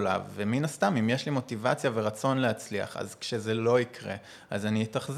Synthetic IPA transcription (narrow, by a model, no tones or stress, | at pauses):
la̰vːeminast̪amimjeʃlimo̞tivat͡sjaveʁat͡so̞nlehat͡slia̰χa̰zkʃeze̞lo̞ikʁe | azanietaχz